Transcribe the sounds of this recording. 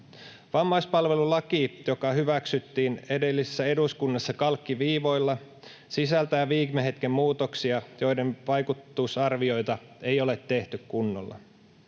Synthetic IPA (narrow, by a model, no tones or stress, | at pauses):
ʋɑmːɑjspɑlʋe̞lulɑkijo̞kɑhyʋæksyt̪ːiːne̞de̞lːise̥sːæe̞duskunːɑsːɑkɑlkːiʋiːʋo̞jlːɑ | sisælt̪æjæʋiːkmeɦet̪kemːmuːt̪oksiɑjo̞jde̞nʋɑjkut̪ːusɑrʋio̞jt̪ɑe̞jo̞let̪ːe̞ht̪ykkunːo̰lːɑ̰